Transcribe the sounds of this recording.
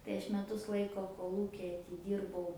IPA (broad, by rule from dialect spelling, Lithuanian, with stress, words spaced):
tɐɪ ˈɐʃ mʲɛˈtʊs ˈlˠɐɪkoː koːˈlˠuːkʲɪ ɐtʲɪˈdʲiːrbɐʊ